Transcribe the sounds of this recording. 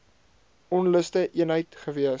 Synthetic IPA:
ɔnləstəʔiənɦəjtχəviə

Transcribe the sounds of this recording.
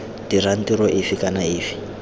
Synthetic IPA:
tiran̩tiɾɔʔɪfikanaeːfi̥

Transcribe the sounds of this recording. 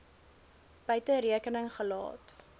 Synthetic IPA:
b̥əɥtəɾiəkənəŋχəlɑ̰ːt

